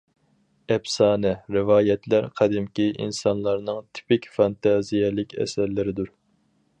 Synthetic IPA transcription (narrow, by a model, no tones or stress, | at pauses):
ɛbsɑːnɛɾɨvɑːjɛt̪ʰlæɾqʰæd̪ɪmkʲiʔḭnsɑnlˠɑɾnɨŋt̪ʰi̥pɪkʲfɑnt̪ʰɑzijɛlɪkʲɛ̰sɛɾlɪɾɪd̪uɾ